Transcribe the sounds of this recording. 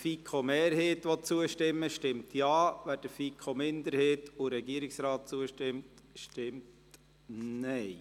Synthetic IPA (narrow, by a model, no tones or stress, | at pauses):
fikʰχomeːɾheːtʋɔt͡suəʃtɪmːəʃtɪmtjɑːʋæd̥əfikʰomɪnd̪əɾheːtʊɾɛɡiəɾiksɾɑːt̚t͡suəʃtɪmtʃtɪmt | nɛɪ